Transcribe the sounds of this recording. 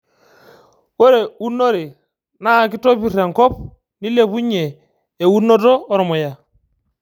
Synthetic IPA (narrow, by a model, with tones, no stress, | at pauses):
wo˦ɾe˨u˦nːo˦ɾi˨ | na˦˨ki˦to˦pi˦˨ɾa˨ŋkɔ˦p̚ | ni˦le˦pu˦ɲe˨ | je˨wu˦no˦tɔː˦ɾɔ˨mɔ˨ja˨